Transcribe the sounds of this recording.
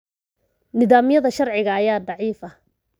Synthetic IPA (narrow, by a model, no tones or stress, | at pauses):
nɪðaːmɪjɐðɐʃɐrʕɪɣɐːjaːɖɑʕiːfɐ